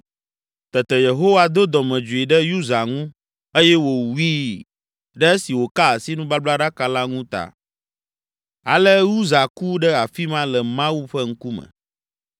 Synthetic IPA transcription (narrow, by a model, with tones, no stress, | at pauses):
t̪ɛ˨t̪ɛ˨je˨ɦo˦wa˦d̪o˦d̪ɔ˨mɛ̃˨d͡ʒu˨i˨ɖɛ˦ju˦za˨ŋũ˦ | e˦jɛ˦wo˨wi˦ | ɖɛ˦e˦si˨wo˨ka˦a˨si˦nũ˦ba˦bla˦ɖa˦ka˨la˦ŋũ˦t̪a̰˨ | a̰˨lɛ˦ju˦za˨ku˦ɖɛ˦a˨fi˦mã˦lɛ˨mã˦wu˦ɸɛ˦ŋ̩˦ku˦mɛ̰̃˨